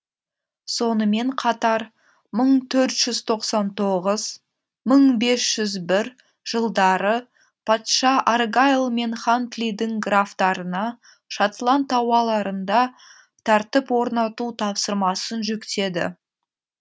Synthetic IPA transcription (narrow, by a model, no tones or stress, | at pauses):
so̞nəme̞ɴqʰɑt̪ɑɾ | məɴt̪ʰɵɾt̪ʒ̥ʏzt̪ʰo̞qsɑnt̪ʰo̞ʁəz | məɴbe̞sʒ̥ʏzbɪɾ | ʒ̥əlˠd̪ɑɾə | pʰɑt̪ʃɑʔaɾɡajlˠme̞nχant̪lid̪ɪŋɡraft̪ɑɾənɑ | ʃat̪lˠant̪ɑwɑlˠɑɾənd̪ɑ | t̪ʰɑɾt̪əpwo̞ɾnɑt̪ut̪ʰɑpsəɾmɑsənʒʏkt̪e̞d̪ɪ̰